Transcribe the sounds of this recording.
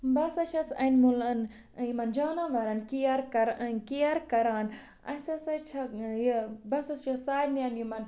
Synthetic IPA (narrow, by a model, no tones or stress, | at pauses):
bɐsɐʃɐsɐnmulɐn | jimɐnd͡ʒaːnaʋɐɾɐnkiaɾkɐɾkiɐɾkɐɾaːn | ɐ̰sɐsɐt͡ʃʰɐjbɐsɐsʃɐsaːjnjɐnjimɐn